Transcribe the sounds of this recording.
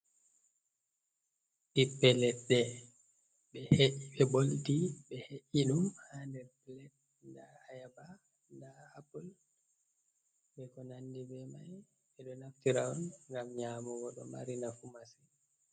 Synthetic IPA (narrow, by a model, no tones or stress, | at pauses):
ʔipːɛlɛtɗɛ | ɓɛheʔiɓɛboltiɓɛheʔiɗumhandɛpɛlɛt̚ | ndaajaba | ndahapul | bɛkɔnandibɛmaj | ɓɛɗɔnaftiɾaɔnŋɡamɲaːmɔɡɔɗɔ̰maɾinafumasi